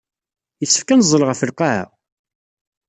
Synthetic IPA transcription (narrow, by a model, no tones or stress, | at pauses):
jəsːə̥fkænəzˤːəlʁəfəlqaʕæ̰